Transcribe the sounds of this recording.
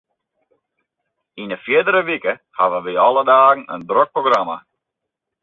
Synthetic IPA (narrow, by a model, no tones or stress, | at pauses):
inəfjɪdəɾəʋikəhaʋəʋiɔlˠədaːɣn̩ə̰ndrøk̚proɡrama̰